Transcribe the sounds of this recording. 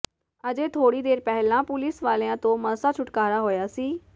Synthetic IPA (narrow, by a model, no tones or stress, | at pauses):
əd͡ʒeːt̪ʰoːɽiːd̪eːɾpɛɦlãːpʊlɪsʋaːleãːt̪õːməsaːt͡ʃʰʊʈkaːɾaːɦoːjaːsiː